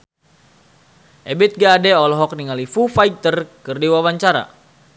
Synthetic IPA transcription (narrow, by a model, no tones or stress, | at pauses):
ʔɛbit̪̚ɡaːdɛɔlɔɦɔk̚niŋalifufajt̪ərkərdiwawaɲt͡ʃaɾa̰